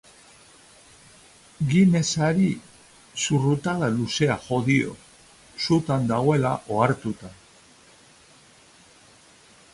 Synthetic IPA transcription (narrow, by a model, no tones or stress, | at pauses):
ɡine̞saɾi | surut̪aðaluse̞axo̞ðio̞̰ | sut̪and̪aɣoe̞laʔoaɾt̪ut̪a